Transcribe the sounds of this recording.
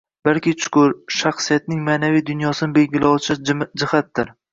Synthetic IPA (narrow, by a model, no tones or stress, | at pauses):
b̥alˠkʲɪt͡ʃʰʊ̥kʰʊɾʃaχsijat̪̚nɪŋmaːnavijd̪ʊnjɒsɪnɪbe̞lɡʲɪlawt͡ʃʰɪd͡ʒɪhat̪̚d̪ɪɾ